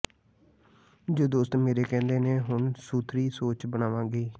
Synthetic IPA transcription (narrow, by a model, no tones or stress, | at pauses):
d͡ʒoːd̪oːst̪meːɾeːkɛ̃ːnd̪eːnẽːɦʊɳsuːt̪ʰɾiːsoːt͡ʃbənaːʋãːɡeː